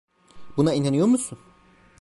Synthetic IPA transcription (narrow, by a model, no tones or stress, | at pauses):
bunainanyjo̞ɾmusun